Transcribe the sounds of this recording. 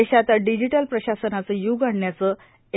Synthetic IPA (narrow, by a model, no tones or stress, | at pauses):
eɕat̪aɖid͡ʑiʈəlpɾəɕasənat͡səjuɡaɳɳjat͡sə | e